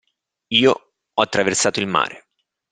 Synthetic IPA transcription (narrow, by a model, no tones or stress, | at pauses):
iːo | ɔat̪ːɾaversaːt̪oilma̰ːɾe